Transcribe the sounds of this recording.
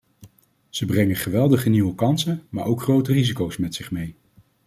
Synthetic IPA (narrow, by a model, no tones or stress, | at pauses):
z̥əbrɛŋəχəʋɛlˠdəχəniwəkɑnsəma̰ːɹʔowkχrowtərizikowsmɛtsɪχmej